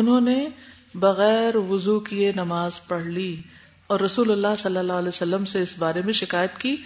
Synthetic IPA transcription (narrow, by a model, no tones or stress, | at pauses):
ʊnɦõːne | bɐɣɛːɾʋʊzukienɐmaːzpɐɽ̤li | ɔːɾːɐsuːlɐlːaɦsɐlːəlːaːɦlɛːsɐlːəmseɪsbaːɾemẽʃɪkaːjət̪kiː